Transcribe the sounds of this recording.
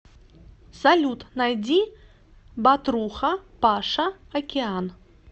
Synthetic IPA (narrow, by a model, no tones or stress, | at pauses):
salʲut̪najd͡zʲi | bat̪ɾuxɐpaʂɐ | ɐkʲean